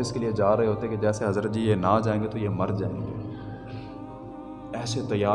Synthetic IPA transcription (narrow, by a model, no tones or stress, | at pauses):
ɪskelied͡ʒaːɾɐɦeɦoːt̪eɦɛ̃ked͡ʒɛːseɦɐzɾət̪̚d͡ʒiːjenad͡ʒaːẽːŋɡet̪ojemɐɾd͡ʒaːḛ̃ːŋɡeː | ɛːset̪ɐjːaː